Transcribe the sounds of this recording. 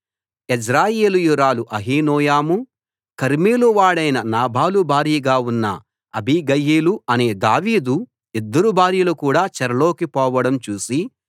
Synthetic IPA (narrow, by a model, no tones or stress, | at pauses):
isɾaːjeːlujuɾaːluʔɐɦiːnɔːjaːmu | kɐɾmiːluʋaːɽɐjnɐnaːbʱaːlubʱaːɾijɐɡaːunːɐ̰ | ɐbʱiɡɐjeːluɐne̞ːd̪aːʋiːd̪u | id̪ːɐɾubʱaːɾjɐlukuːɽaːt͡ʃɛɾɐlo̞ːkipɔːʋɐɽɐmt͡ʃuːsi